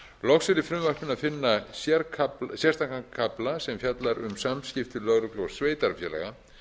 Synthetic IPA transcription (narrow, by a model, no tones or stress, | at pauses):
lɔxsɪɾɪfɾʏmvar̥pɪnaðfɪnːasjɛɾkʰaplsjɛr̥st̪ʰaŋkaŋkʰaplasɛmfjat̪laɾʏ̰msamscɪft̪ʏlœɣɾʏklowsveːjt̪aɾfjɛːlɛ̰ɣa